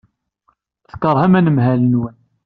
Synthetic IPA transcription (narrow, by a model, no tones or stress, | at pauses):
θə̥kəɾˤhæmænəmɦælənwən